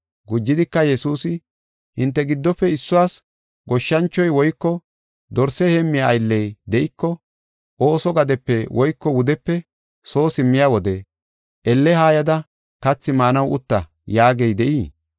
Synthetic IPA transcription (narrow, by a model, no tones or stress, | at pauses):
ɡʊd͡ʒːɪd̪ɪkːɐjɛsuːsɪ | hɪnt̪ːɛɡɪd̪ːɔpːɛɪsːʊwaːs | ɡɔʃːɐnt͡ʃːɔjwɔjkːɔ | d̪ɔɾsɛheːmːɪjaːjlːɛjd̪ɛʔɪkːɔ | ʔoːsɔɡɐd̪ɛpːɛwɔjkːɔwʊd̪ɛpːɛ | so̞ːsɪmːɪjaːwɔd̪ɛ | ʔɛlːɛhaːjɐd̪ɐ | kɐt͡sːɪmaːnɐwʊt̪ːɐ | jaːɡɛjd̪ɛʔiː